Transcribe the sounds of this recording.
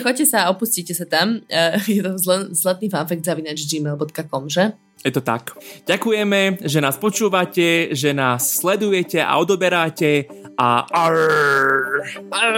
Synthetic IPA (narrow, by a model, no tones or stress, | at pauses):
xɔc̚cːɛsaːɔpusciːcɛsat̪amjɛt̪ɔzlzlat̪̚niːfanfɛk̚d̪zaʋinad͡ʒd͡ʒiːmɛːlˠbɔt̪kakɔmʒɛ | jɛt̪ɔt̪a̰kɟakujɛmɛʒɛnaːspɔt͡ʃuːʋacɛʒɛnaːsːlɛd̪ujɛcɛʔa̰ɔd̪ɔbɛɾacɛ | a̰